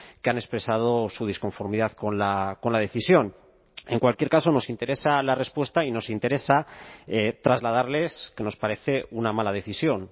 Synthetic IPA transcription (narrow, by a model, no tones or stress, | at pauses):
keane̞spɾe̞sað̞o̞suð̞isko̞ɱfo̞ɾmiðaðko̞nlako̞nlað̞e̞θisjo̞n | e̞ŋkwalkje̞ɾkaso̞no̞sint̪e̞ɾe̞salare̞spwe̞st̪aino̞sint̪e̞ɾe̞saet̪ɾazlað̞aɾle̞ske̞no̞spaɾe̞θe̞unamalað̞e̞θisjo̞n